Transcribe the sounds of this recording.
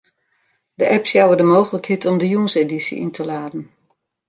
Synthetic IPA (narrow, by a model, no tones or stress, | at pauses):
dəʔɛpsjawədəmoːɣələkhitɔmdəjunsedisḭʔḭntʰəlaːdən̩